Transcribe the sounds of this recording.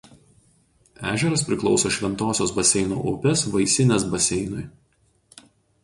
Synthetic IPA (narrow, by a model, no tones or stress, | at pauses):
æːʒʲɛɾɐspʲɾʲɪklˠɒʊsoːʃʲʋʲɛnt̪oːsʲoːsbɐsʲɛɪno̰ːʔʊpʲɛsʋɐɪsʲɪnʲɛsbɐsʲɛɪnʊj